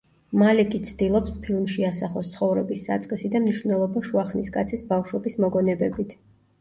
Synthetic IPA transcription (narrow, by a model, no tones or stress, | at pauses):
malɛkʼit̪sʰd̪ilˠɔpspʰilˠmʃiasaχɔst̪sʰχɔvɾɛbisːa̰t̪sʼqʼɛsid̪amniʃvnɛlˠɔbaʃuaχniskʼat̪sʰisbafʃwɛbismɔɡɔnɛbɛbit̪ʰ